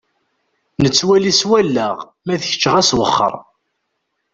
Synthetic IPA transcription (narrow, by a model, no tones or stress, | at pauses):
nət͡sːwæliswælːəʁ | mæðçə̥t͡ʃːʁæswə̰χːə̰ɾˤ